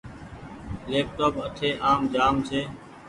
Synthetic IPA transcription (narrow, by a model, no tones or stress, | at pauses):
leːp̚ʈoːpəʈʰeːʔaːmd͡ʒaːmseː